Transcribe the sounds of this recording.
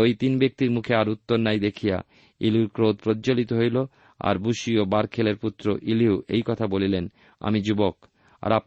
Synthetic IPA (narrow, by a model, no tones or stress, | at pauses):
ojt̪inbek̚t̪iɾmukʰeaɾut̪ːoɾnajd̪ekʰija̰ | iliuɾkɾod̪̚pɾod̪d͡ʑolit̪oɦojlo | a̰ɾbuʃiobaɾkʰeleɾput̪ːɾoʔiliuejkɔt̪ʰabolilen | a̰mid͡ʑubok | a̰ɾap